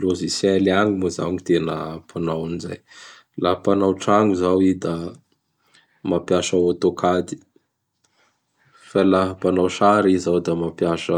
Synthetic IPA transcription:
lozisɛliaŋimoza̰ɲit̪enə̰pʰanawaniza̰j | laɦpanawʈ͡ʂaŋuzawid̪a | mapjaʃaot̪okʰad̪i̥ | falaɦəpanawʃaɾizawd̪amapjaʃə

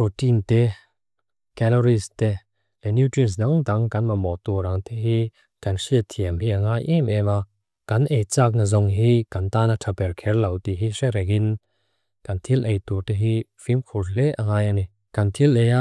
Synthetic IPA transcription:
potintɛ | kɛlɔɾiste | ɛnutɾis̬daŋt̪aŋkanmamɔt̪uɾaŋt̪eɦi | kansiət̪ʰiəmhiʔaŋajʔɛmɛma | kanʔejt͡sak̚nazɔŋɦikant̪anatʰapɛɾkʰɛrlawt̪iɦisɛɾɛkin | kant̪ʰilʔejt̪utɛɦifimkʰulɛʔaŋaːjani | kant̪ʰileja

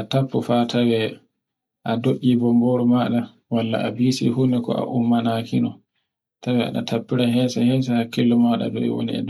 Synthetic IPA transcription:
ʔatapːufatʰawɛ | ʔadoɗibɔmboɾumaɗa | walːa̰ʔabisḭhunɛkɔ̰ʔa̰ʔumːanakinɔ | tawɛa̰ɗa̰tʰapːiɾaɦɛsahɛːs̬ahakːilːɔmaɗa̰dɔ̰ɛ̰wo̰nḭɛ̰d

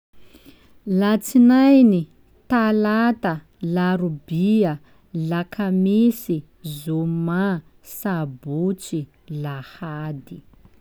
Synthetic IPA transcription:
lat͡sinajni | t̪alat̪a | laɾubiə | lakʰamisi | zuma | sabut͡si | lahad̪i

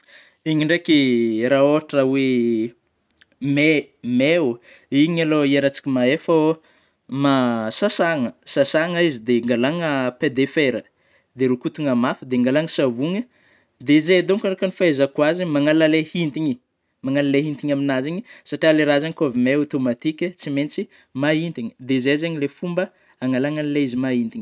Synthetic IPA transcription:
iɲiɳɖ͡ʐekiɾaoaʈ͡ʂawe | memew | iɲaloieɾat͡si̥kʲimaefə | masasaŋəsasaŋaizid̪eŋɡalaŋəped̪efeɾə | d̪eɾukut̪uŋamafəd̪eŋɡalaŋəsavuŋə | d̪ezed̪oŋkaɾokənifaezakwazimaŋalalehint̪iɲi | maŋalaleɦint̪iɲaminaziɲisaʈ͡ʂialeɾazaŋikavimeot̪omat̪ikʲət͡siment͡si | maɦint̪iɲi̥d̪ezezeɲilefumbə | aŋalaŋanileizimaint̪iɲi̥

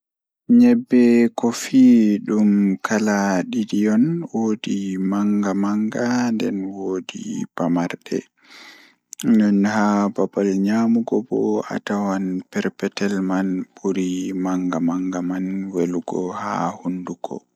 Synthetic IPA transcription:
ɲɛbːɛkɔfiɗumkʰalaɗiɗijɔnwoːdimaŋɡamaŋɡandɛ̰nwoːdḭb̥amaɾɗɛ̰ | nɛnhababalɲamuɡɔbɔ̰a̰tawanpɛɾpɛtɛlmanbuɾimaŋɡamaŋɡamanweluɡɔha̰hunduɡɔ̰

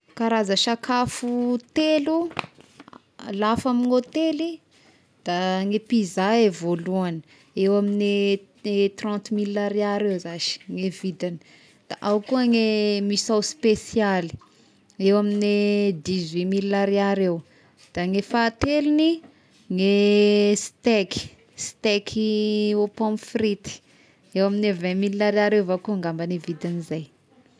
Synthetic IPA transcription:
kaɾazaʃakʰafut̪elu | lafaminot̪eli | d̪̥aŋepizaevoluanə̥ | ewamine | et̪rɑ̃nt̪milːaɾeaɾewzaʃi̥ŋevid̪anə̥ | d̪̥aʔawkuəŋemisawspesiali̥ | ewamined̪izwimiliaɾiaɾew | d̪̥aŋefaːt̪elini | ŋest̪eki̥ | st̪ekʰiopɔ̃mfrit̪i̥ | ewaminevɛ̃miliaɾaɾewvakuaŋɡambanevid̪anizaj

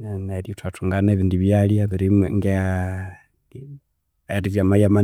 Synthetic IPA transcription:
anaɾiutwatuŋɡaneːβiːndiβjalijaβiɾimeŋɡe | aɾiziamajama

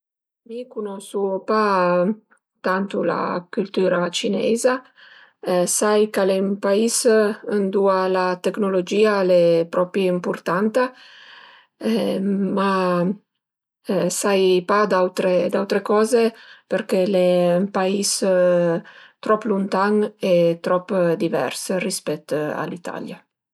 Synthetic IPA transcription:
mikunɔsupa | t̪ant̪ula̰kylt̪yːɾat͡ʃinɛ̰za | sajkalempaisənd̪ualat̪eknolod͡ʒiːalepɾɔpɾjiimpuɾt̪ant̪a | ma | sajpad̪awt̪ɾed̪awt̪ɾekɔːzepeɾkelempais | t̪ɾɔpːlunt̪aŋɛt̪ɾɔpːd̪ivɛ̰ɾsrispɛt̪ːa̰lit̪ʰa̰lja

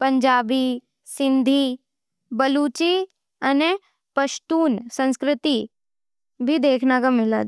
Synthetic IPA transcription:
pɐ̃ɲd͡ʒaːbi | sɪ̃nd̪ʱi | bɐluːt͡ʃi | ɐne | pɐʃt̪uːnsə̃nskɾɪt̪i | bʱid̪eːkʰnakamɪla̰

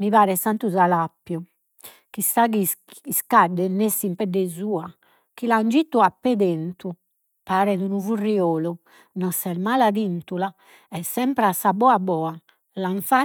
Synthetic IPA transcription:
miβaːɾɛsant̪uzalapːju | kisaɡiiskaɖːɛnesimpɛdːɛzuːa | kiland͡ʒit̪ːuapːed̪ent̪u | paːɾɛd̪unuvurːiɔːlu | nɔsɛɾmaːlaðint̪ula | ɛsːɛmpɾasabɔabɔːa | laɱfa

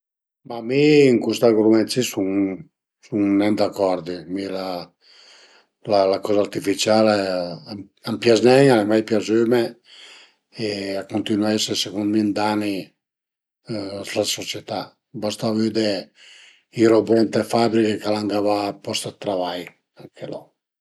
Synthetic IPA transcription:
mamiːŋkust̪aɡɾumɛnt̪sisun | suŋnɛnd̪akːɔɾd̪imila | lalakɔzaːɾt̪ifit͡ʃale | ampjaznɛɲalemajpjazyme | eakːunt̪inwaɛsesekund̪mind̪ani | slasot͡ʃɛt̪a | bast̪avyd̪e | iɾobɛnt̪efabɾikekalaŋɡavapɔst̪at̪ːɾavaj | aŋkʰelɔ̰

